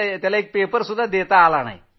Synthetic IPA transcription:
t̪jalaek̚pepəɾsud̪ʱːad̪et̪aːlana̰j

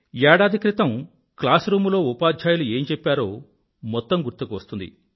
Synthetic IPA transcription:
jaːɽaːd̪ʱikɾit̪ɐm | klaːsɾuːmulo̞ːupaːd̪ʱjaːjulue̞ːmt͡ʃepːaːɾo̞̰ː | mɔt̪ːɐmɡuɾt̪ːukuʋɐst̪und̪ḭ

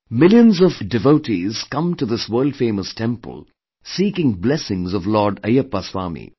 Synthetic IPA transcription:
mɪljə̃nzʌvdɨvoʊʈiz̥kʌ̃mtuðɪswɜːlˠd̥fẽɪməstʰɛ̃mpə̰lˠ | siːkɪ̃ŋblɛsɪ̃ŋzʌvlɔːɖəjəpːaswaːmḭ

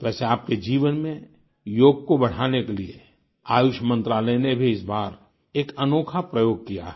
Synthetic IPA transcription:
t̪oʋɛːseaːp̚ked͡ʒiːʋənmẽ | joːɡ̚kobɐɽ̤aːnekeliḛ | aːjʊʃəmə̃nt̪ɾaːlənebʱiɪsbaːɾ | eːkɐnoːkʰapɾəjoːɡ̚kija̰ɦɛ

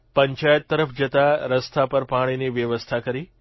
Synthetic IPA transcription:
pəɲt͡ʃajət̪ːəɾəfd͡ʒət̪aɾəst̪ʰapəɾpaɽ̃iniʋjəʋəst̪ʰakəɾi

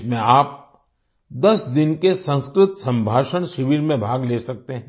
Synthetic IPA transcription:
mẽaːp̚ | d̪ɐsd̪ɪnkesə̃nskɾɪt̪sɐ̃mbʱaːʃəñʃɪʋiːɾmẽbʱaːɡleːsɐk̚t̪eɦɛ̃

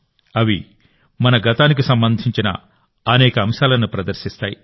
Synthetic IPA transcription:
ɐʋi | mɐnɐɡɐt̪aːnikisɐmbɐnd̪ʱiɲt͡ʃinɐ̰ | ɐnɛːkɐːmʃaːlɐnupɾɐd̪ɐɾʃist̪aːji

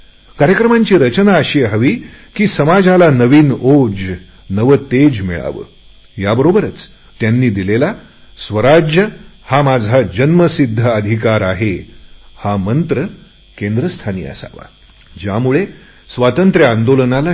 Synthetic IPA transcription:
kaɾjəkɾəmaɲt͡ɕiːɾət͡ɕnaəɕiɦəʋiːkiːsəmad͡zʱalanəʋiːnod͡z | nəʋət̪ed͡ʑmiɭa̰ʋə̰ː | jabəɾobəɾət͡s | t̪janːiːd̪ilela | sʋəɾad͡ʑjəhamad͡zʱad͡ʑənməsid̪ʱːəəd̪ʱikaɾaɦehamənt̪ɾə | kẽnd̪ɾəst̪ʰanḭːə̰sa̰ʋa̰ | d͡ʑamuɭe | sʋat̪ənt̪ɾjəand̪olənala

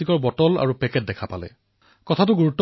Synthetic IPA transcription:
ikɔɹbɔtɔla̰ɹupɛkɛt̚dɛkʰapalɛ̰ | kɔtʰatʊɡuɹutːɔ

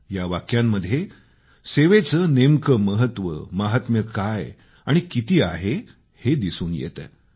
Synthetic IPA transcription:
jaʋakjamːəd̪ʱje | seʋet͡sənemkəməɦət̪ʋə̰məɦat̪məkaj | aɽ̃ikit̪iːa̰ɦe | hed̪isuːnjḛt̪ə

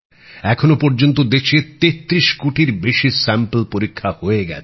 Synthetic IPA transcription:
ɛkʰonopɔɾd͡ʑont̪̬od̪eʃet̪et̪ːɾiʃkoʈiɾbeʃisɛmpəlpoɾikʰːahoeɡɛ̰

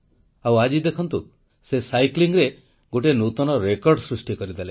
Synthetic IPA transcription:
awad͡ʒid̪ekʰɔnt̪u | sesajkliŋɾe | ɡoʈenut̪ɔnɔɾekɔɾɖsɾusʈikɔɾid̪ale

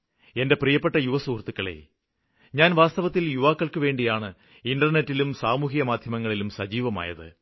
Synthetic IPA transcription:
e̞nde̞prijɐpːeʈːɐjuʋɐsuːrt̪ukːɐɭḛ | ɲaːnʋaːst̪ɐʋɐt̪ːiljuʋaːkːɐɭkɨʋe̞ːɳɖijaːɳɨ | inɖɐrne̞tːilumsaːmuːɦijɐmaːd̪ʱjɐmɐŋːɐɭilumsɐd͡ʑiːʋɐma̰ːjɐ̰ðɨ̰

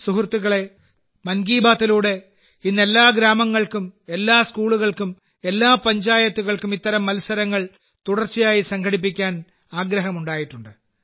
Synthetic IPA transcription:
suhrt̪ːuɣɐɭe̞ | mɐnɡiːbaːt̪ːiluːɽe̞ | inːe̞lːaːɡɾaːmɐŋːɐɭkume̞lːaːskuːɭuɣɐɭkum | e̞lːaːpɐɲd͡ʑaːjɐt̪ːuɣɐɭkumit̪ːɐɾɐmːɐlusɐɾɐŋːɐɭ | t̪uɽɐrt͡ɕːijaːjisɐŋkʰɐɽip̬ːikʲːaːn | aːɡɾɐɦɐmuɳɖaːjiʈːuɳɖɨ

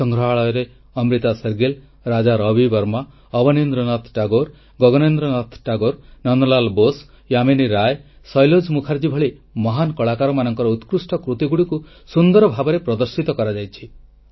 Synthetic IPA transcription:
sɔŋɡʱɾɔɦaɭɔjɔɾe | ɔmɾit̪aseɾɡel | ɾad͡ʒaɾɔbibɔɾma | ɔbɔnend̪ɾɔnɔt̪ʰʈaɡoɾ | ɡɔɡɔnend̪ɾɔnɔt̪ʰʈaɡoɾnɔnɔlalbos | jaminiɾaj | sɔjlod͡ʒmukʰaɾd͡ʒibʱɔɭimɔɦankɔɭakaɾɔmanɔŋkɔɾɔut̪kɾusʈɔkɾut̪iɡuɽiku | sund̪ɔɾɔbʱabɔɾepɾɔd̪ɔɾsit̪ɔkɔɾad͡ʒajt͡ʃʰi̥

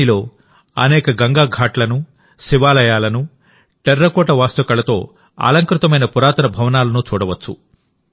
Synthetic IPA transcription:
ilo̞ː | ɐ̰nɛːkɐɡɐŋɡaːɡʱaːʈlɐnu | siʋaːlɐjaːlɐnu | ʈeɾːɐkɔːʈɐʋaːst̪ɐkɐlɐt̪o̞̰ː | a̰ːlɐŋkɾut̪ɐmɐjnɐpuɾaːt̪ɐnɐbʱɐʋɐnaːlɐnut͡ʃuːɽɐʋɐt͡ʃːṵ

